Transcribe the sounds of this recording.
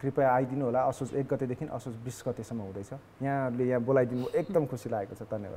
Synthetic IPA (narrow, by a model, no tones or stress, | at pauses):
kripaajd̪inuɦolaʌsot͡sek̚ɡʌt̪ed̪ekʰinʔʌ̰sosbrisɡʌt̪esʌmːʌɦũd̪ʌjt͡sʰʌ | jãʌɾulejãbolajd̪inuekd̪ʌmkʰusilaekot͡sʰʌd̪ʱʌnjḛba̰